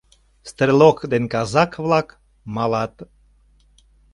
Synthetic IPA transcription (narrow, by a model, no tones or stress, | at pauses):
st̪ɾelokd̪enkɑzɑkvlɑk | mɑlɑt̪